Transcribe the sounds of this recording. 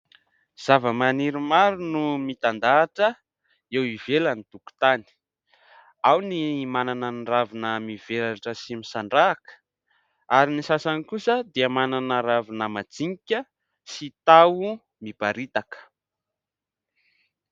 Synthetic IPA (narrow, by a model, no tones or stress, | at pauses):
z̥avəmaniɾimaɾunumit̪and̪aːʈ͡ʂə | ewivelənit̪uku̥t̪ani̥ | awnimananənravinəmiv̥elaʈ͡ʂəsimisaɳɖ͡ʐaːkə̥ | aɾinisasanikusəd̪eəmananəɾavinəmad͡ziŋikʲə | sit̪awu | mibaɾit̪akə̥